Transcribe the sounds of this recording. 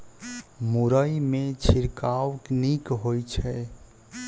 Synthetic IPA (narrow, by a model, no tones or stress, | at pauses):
muɾəjmet͡ʃʰiɾkawknikɦojt͡ʃʰɛ